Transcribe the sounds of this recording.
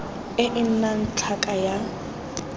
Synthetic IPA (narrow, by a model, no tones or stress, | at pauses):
ɪʔɪn̩nan̩t͡ɬʰakʼaja